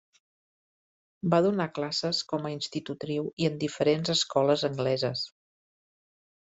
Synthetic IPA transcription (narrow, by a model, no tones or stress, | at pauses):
baðunaklasəskɔməinst̪it̪ut̪ɾiwiənd̪ifəɾenzəskɔləzəŋɡlɛzəs